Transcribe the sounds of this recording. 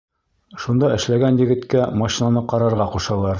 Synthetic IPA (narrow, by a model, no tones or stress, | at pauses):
ʃund̪ɑɘ̆ʃlæɡænjɘ̆ɡɘ̆t̪kæmɑʃinɑnɤqɒɾɑɾʁɑquʃɑ̆lˠɑɾ